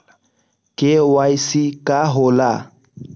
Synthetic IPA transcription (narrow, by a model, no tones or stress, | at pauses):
kewajsikaɦola